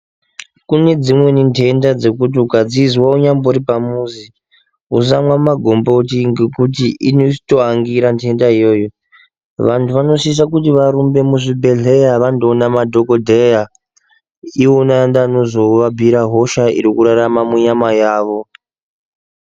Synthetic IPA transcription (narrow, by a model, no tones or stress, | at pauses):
kune̞d͡zimwe̞nintʰe̞ndad͡ze̞kut̬iukad͡zizwauɲamboɾipamuzi | us̬amwamaɡʱo̞mbotiŋɡe̞kut̬iʔinoisi̥to̞aŋɡiɾantʰe̞ndaijo̞ːjo̞ | ʋantʰuʋano̞sis̬akutiʋaɾumbe̞muʐibʱe̞ɮe̞jaʋandonamadʱo̞ko̞dʱeja | ionandano̞zo̞ʋabʱiɾaɦo̞ʃaḭɾikuɾaɾamamuɲamajaːʋo̞